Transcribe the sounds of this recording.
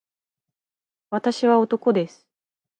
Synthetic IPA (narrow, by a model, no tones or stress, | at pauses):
βat̪aɕiβao̞t̪o̞ko̞d̪e̞sɨ̥